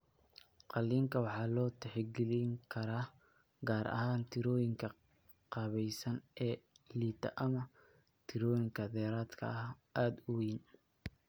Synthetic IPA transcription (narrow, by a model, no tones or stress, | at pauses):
qɑlːiːŋkʰɐwɑħɑːlɔːt̪ʰɛħɛɡɪlɪŋkʰɐɾaː | ɡaːɾɐ̰haːnt̪ʰɪɾɔːjɪŋkʰɐ | qɑːβɛjsɐnɛː | liːt̪ʰɐ̰ʔɐmɐ | t̪ʰɪɾɔːjɪŋkʰɐðɛːɾaːd̪kʰɐ̰ɐ | ʔaːd̪ʊwiːn